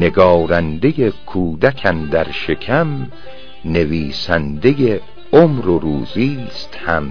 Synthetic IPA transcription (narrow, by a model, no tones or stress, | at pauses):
ne̞ɡɒːɾænd̪e̞jekʰuːd̪ækʰænd̪æɾʃe̞kʰæm | ne̞viːsænd̪e̞je | omɾoɾuːziːst̪hæm